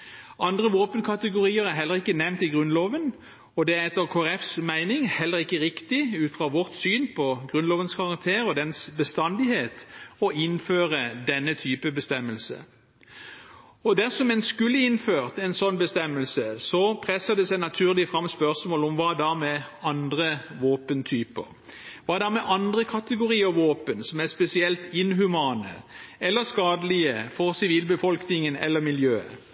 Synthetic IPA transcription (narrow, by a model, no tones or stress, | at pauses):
ɑnd̪ʁəʋoːpənkʰɑt̪əɡʊɾiːəɾæɦɛlːəʁɪkːənɛʋnt̪ɪɡʁʉnloːʋən | ɔd̪ɛæɛt̪ːəʁkʰoːæʁɛfsmæɪnɪŋhɛlːəʁɪkːəʁɪkt̪ɪʉːt̪fʁɑːʋɔʁt̪syːnpʰɔɡʁʉnloːʋənskʰɑʁɑk̚t̪ʰeːɾɔd̪ɛnsbəst̪ɑnd̪ɪheːt̪ɔɪnføːʁəd̪ɛnːət̪ʰyːpəbəst̪ɛmːəlsə̰ | ɔd̪æʁsɔmɛnskʉlːəɪnføːʁt̪ɛnsɔnːbəst̪ɛmːəlsəsɔpʰʁɛsːəd̪ɛsæɪnɑt̪ʰʉːʁlɪəfʁɑmːspœʁsmoːlɔmʋɑːd̪ɑmɛɑnd̪ʁəʋoːpənt̪ʰyːpə̰ʁ | ʋɑːd̪ɑmɛʔɑnd̪ʁəkʰɑt̪əɡʊʁiːəʋoːpənsɔmæspɛsɪɛlt̪ɪnɦʉmɑːnə̰ɛlːəskɑːd̪əlɪəfɔʁsɪʋiːlbəfɔlknɪŋənɛ̰lːəʁmɪljøːə̰